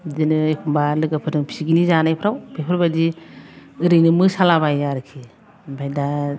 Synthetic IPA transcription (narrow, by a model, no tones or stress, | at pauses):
dinɯekʰumbalɯɡapʰɯɾɯŋpʰi̥siɡinizanajpʰɾawbʰepʰɯɾbadi | ɯɾɯjnɯmɯsalabajaɾɯkʰi | bʱajda